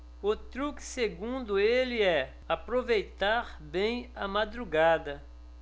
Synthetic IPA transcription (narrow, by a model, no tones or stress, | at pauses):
ʊt̪ɾukɪ̥seɡũnd̪ʊelɪɛ | apɾovejt̪aɾ | bẽj̃ɐmad̪ɾuɡad̪ɐ